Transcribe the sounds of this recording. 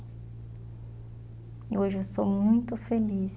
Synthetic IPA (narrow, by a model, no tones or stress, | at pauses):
ioʒɪewst̪owmũj̃t̪ʊfelis